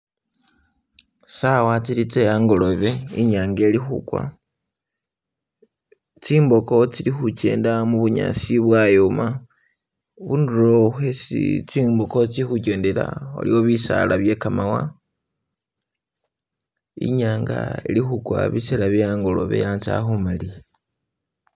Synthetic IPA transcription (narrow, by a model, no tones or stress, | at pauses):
sawat͡silit͡sejaːŋɡo̞lo̞βe̞iɲaːŋɡe̞lixukwa̰ | t͡siːmbo̞ko̞t͡silixuce̞̰ːndamuβuɲa̰siβwajoma | βunduɾouxesḭt͡siːmbo̞ko̞t͡siixuceːndela̰o̰liwo̞βisa̰laβje̞kamawa̰ | ḭɲaːŋɡa̰ḛlixukwa̰βiselaβjejaŋɡo̞lo̰βe̞̰jansa̰xumali